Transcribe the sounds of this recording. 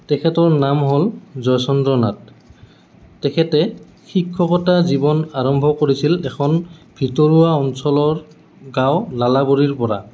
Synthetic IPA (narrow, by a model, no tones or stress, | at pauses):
tɛkʰɛtɔɹnamɦolzɔjsɔndɹɔnat̚ | ɛkʰɛtɛ | xikʰːɔkɔtazibɔnaɹɔmbʱɔkoɹisilɛkʰɔnbʱitɔɹuaɔnsɔlɔɹ | ɡawlalaboɹiɹpɔɹa̰